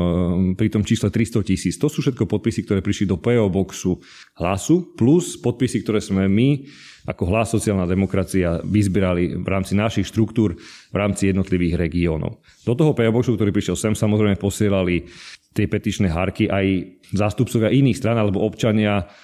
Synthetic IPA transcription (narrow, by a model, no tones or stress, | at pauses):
pɾit̪ɔmt͡ʃiːslɛt̪ɾist̪ɔcisiːt͡st̪ɔsuːfʃɛt̪̚kɔpɔt̪̚pisikt̪ɔɾɛːpɾiʃlid̪ɔpɛɔbɔksu | ɦlasupluspɔt̪̚pisikt̪ɔɾɛːzmɛmi | ʔakɔɦlasːɔt͡siaːlnad̪ɛmɔkɾat͡siaʋizbɛɾaliʋɾaːmt͡sinaʃixʃt̪ɾukt̪uːɾʋɾaːmt͡sijɛd̪nɔt̪liʋiːɣɾɛɡiɔːnɔ̰ʊ | d̪ɔt̪ɔɦɔpɛɔbɔksuk̚t̪ɔɾiːpɾiʃjɛlsɛmsamɔzɾɛjmɛpɔsɪɛlalit̪ɪɛpɛt̪it͡ʃnɛːɦaɾkiʔaj | zaːst̪up̚t͡sɔʋɪaʔiniːxst̪ɾanalɛbɔɔpt͡ʃaɲɪa